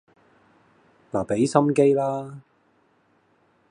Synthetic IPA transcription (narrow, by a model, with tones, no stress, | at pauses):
laː˨˩pe˨˥jsɐ˥mke˥jlaː˥